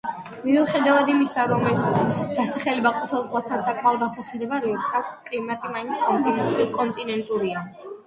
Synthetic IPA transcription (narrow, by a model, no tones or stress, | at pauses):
miuχɛd̪avad̪imisaɾɔmɛsd̪̥asaχɛlɛbaqʼut̪ʰɛlˠzʁwast̪ʰansakʼmaɔd̪aχɔsmd̪ɛmaɾɛɔpsakʼlimat̪ʼimaint̪ʰkʼɔnt̪ʼinikʼɔnt̪ʼinɛnt̪ʼuɾia